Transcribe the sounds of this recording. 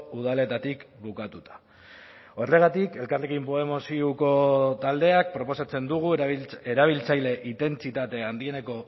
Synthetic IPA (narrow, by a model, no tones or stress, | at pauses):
uð̞ale̞t̪at̪ikbukat̪ut̪ḁ | o̞re̞ɣat̪ike̞lkarle̞kimpoemosiuko̞t̪ald̪e̞ak̚pɾo̞po̞sat͡se̞nd̪uɣ̞ueɾaβ̞ilt͡sajle̞ʔit̪e̞nt͡sit̪at̪e̞and̪ie̞ne̞ko̞